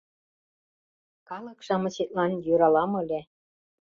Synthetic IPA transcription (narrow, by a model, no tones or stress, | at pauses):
kɑlɤ̆kʃɑmɤ̆ɕet̪̚lɑnjuɾɑlɑmɤ̆lʲe